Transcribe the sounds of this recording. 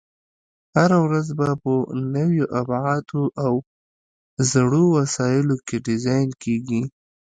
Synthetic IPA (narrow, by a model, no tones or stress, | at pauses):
haɾawɾazbapənəwjoʔabʕɑt̪ʰoʔaw | zɽowasɑjɪlokeɖɪzɑjnkeɡi